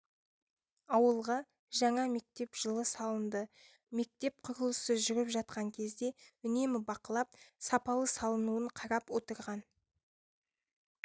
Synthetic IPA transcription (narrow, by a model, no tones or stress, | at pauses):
ɑwəlˠʁɑ | ʒɑɴɑme̞k̚t̪e̞pʒ̥əlˠəsɑlˠənd̪ə | me̞k̚t̪e̞p̚qʰʊɾəlˠəsəzʒʏɾɪpʒɑt̪̚qɑŋkʲʰe̞zd̪e̞ʏne̞mɪbɑqəlˠɑp̚sɑpɑlˠəsɑlˠənuəɴqʰɑɾɑpwo̞t̪əɾʁɑn